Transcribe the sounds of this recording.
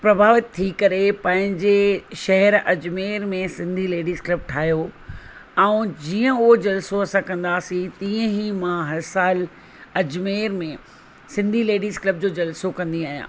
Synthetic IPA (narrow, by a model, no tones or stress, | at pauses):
pɾɐbʱaːʋɪt̪̚t̪ʰːikɐɾepɐ̃ɦɪ̃ɲd͡ʑeʃɐɦɛɾɐd͡ʑmeːɾmẽsɪ̃nd̪ʱileːɖiːzklɐb̚ʈʰaːɦjo | ɛ̃ũd͡ʑiːə̃ʊɦod͡ʑɐlsoɐsãkɐ̃nd̪aːsĩt̪ĩːə̃ɦimãɦɐɾsaːl | ɐd͡ʑmeːɾmẽ | sɪ̃nd̪ʱileːɖiːzklɐb̚d͡ʑoːd͡ʑɐlsokɐ̃nd̪iaːɦijã̰ː